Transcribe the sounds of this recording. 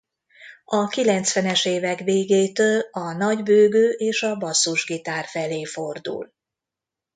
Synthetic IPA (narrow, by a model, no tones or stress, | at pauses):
ɒkilɛnt̪sʋɛnɛʃeːvɛkʋeːɡeːt̪øːlɒnɒɟbøːɡøːʔeːʃɒbɒsːuʒɡit̪aːrfɛleːfo̞rd̪ṵl